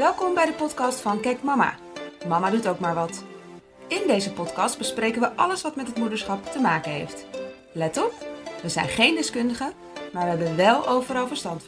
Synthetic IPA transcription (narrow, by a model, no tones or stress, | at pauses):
ʋɛlˠkɔmbɛjdəpɔtkɑstfɑnkɛjkmɑma̰ː | mɑmadutowkmaːɹʋɑt | ɪndejzəpɔtkɑsd̚bəsprejkənʋəʔɑləsʋɑtmɛtɦətmudəɹsχɑptəmaːkənɦḛjft | lɛtɔpʋəzɛjnχejndɛskɵndəχə | maːɹʋəɦɛbəʋɛlˠowvəɾɑlˠvəɹstɑnt